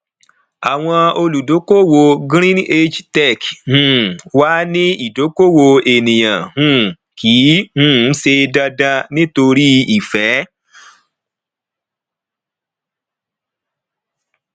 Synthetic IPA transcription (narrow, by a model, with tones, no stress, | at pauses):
a˨w̃ɔ̃˧o˧lu˨do˨˦ko˦wo˧ɡɾ̃ĩ˦e˦d͡ʒtɛ˦˨khũ˦˨wa˦nĩ˦i˨do˨˦ko˦wo˧e˨nĩ˨j̃ã̰˨hũ˦˨ | kʰiː˨˦hũ˦se˧da˧dã˧nĩ˦to˧ɾi˦i˨fɛ˨˦